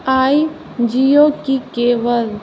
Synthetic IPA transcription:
aːi | d͡ʒijoːkikeːʋəl

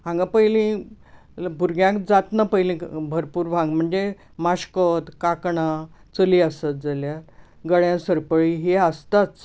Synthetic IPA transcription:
ãŋɡapəilĩ | bʱuɾɡjãkd͡zat̪napəjlĩbʱəɾpuːɾbʱãŋɡm̤əɳd͡ze | maɕkət̪kakɳat͡səliəsət̪̚d͡zəljat̪ɡəɭjãsəɾpəɭiɦeəst̪at͡s

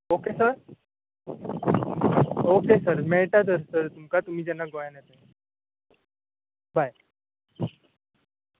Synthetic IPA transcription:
oːkesəɾ | oːkesəɾmeːʈad̪əɾsəɾt̪ʊmkat̪ʊmid͡ʒɐnaɡɔjnɦɛt̪ɛ | baːj

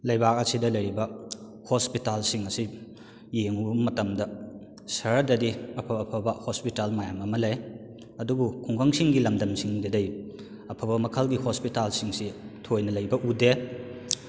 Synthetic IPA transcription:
lɐjbak̚ɐsidɐlɐjɾibɐ | hospitalsiŋɐsi | jeŋubɐmɐtɐmdɐ | sɐɾɐdɐdiɐpʰɐɐpʰɐbɐhospitalmajamɐmɐlɐj | ɐdubukʰuŋɡʰɐŋsiŋɡilɐmdɐmsiŋdɐdɐj | ɐpʰɐbɐmɐkʰɐlɡihospitalsiŋsitʰojnɐlɐjbɐʔude

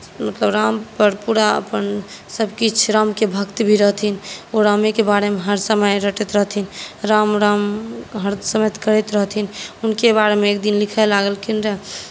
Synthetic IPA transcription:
mət̪ləbɾampəɾpuɾaə̰pənsəbkit͡ʃʰɾamkebʱəkt̪bʱiɾəɦt̪ʰinoɾamekebaɽemeɦəɾsəməjɾəʈɛt̪ɾəɦt̪ʰinɾamɾamɦəɾsəmet̪kəɾɛt̪ɾəɦt̪ʰinunkebaɾemeːk̚d̪inlikʰɛlaɡəlkinɾe

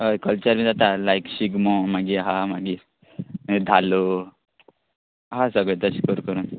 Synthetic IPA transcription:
ɦəjkəlt͡ɕəɾmiːd͡zat̪alajkɕiɡmɔ̃maɡiɦamaɡi | d̪ʱalo | ɦasəɡɭet̪əɕikəɾukəɾun

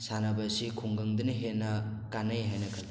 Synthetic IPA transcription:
sanɐbɐsikʰuŋɡɐŋdɯnɐɦenːɐkanɐjɦajnɐkʰɐ

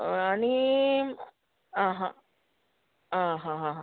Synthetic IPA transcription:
ani | ãɦã | ãɦãɦãɦã

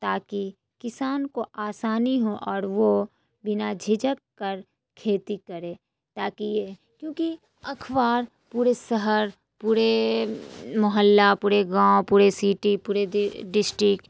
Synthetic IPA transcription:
t̪aːki | kɪsaːnkoʔaːsaːniɦoʔɔːɾʋo | bɪnad͡ʒʱɪd͡ʒəkːɐɾ | kʰeːt̪ikɐɾẽː | t̪aːkije | kjõːki | ɐkʰʋaːɾ | puːɾesəɦəɾ | puːɾe | mʊɦəlːapuːɾeɡãːwpuːɾesiːʈipuːɾeɖɪsʈɾɪkʈ

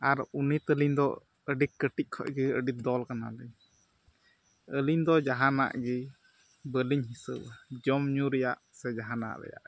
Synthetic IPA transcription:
aɾunit̪əliɲd̪ɔ̰ | əɖikəʈic̚ˀkʰɔ̰ʔɡiə̰ɖit̪̚d̪ɔlkana̰lɛɲ | əliɲd̪ɔd͡ʒaɦana̰ʔɡi | bəliɲɦisəbad͡ʒɔmɲuɾɛjaʔ | sɛd͡ʒaɦana̰ʔɾɛ̰ja̰ʔ

